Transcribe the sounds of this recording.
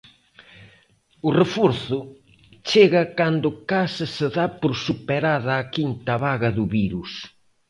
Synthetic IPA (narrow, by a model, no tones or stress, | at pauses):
ʊrefɔɾθʊ | t͡ʃeɣɐkand̪ʊkasɐsɪðapoɾsupeɾaðɐːkint̪ɐβaɣɐðʊβiɾus